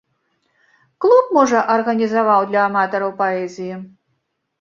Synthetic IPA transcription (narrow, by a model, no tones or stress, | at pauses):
klˠupmɔʐɐʔɐrɣɐnʲizavawd̪lʲɐːmat̪ɔɾɐwpaɛzʲiji